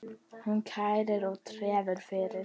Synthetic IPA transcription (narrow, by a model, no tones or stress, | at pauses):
hʊnkʰajɾəɾɔt̪ʰɾɛːvəɾfeɾə